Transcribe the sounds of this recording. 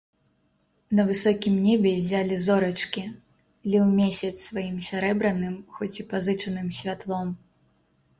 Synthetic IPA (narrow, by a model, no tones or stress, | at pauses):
nɐvɨsɔkʲimnʲɛbʲɛzʲalʲizɔɾɐt͡ʂkʲi | lʲiwmʲesʲɐt̪svajimsʲaɾɛbɾɐnɨmxɔt͡sʲipazɨt͡ʂɐnɨmsʲvʲat̪lˠɔm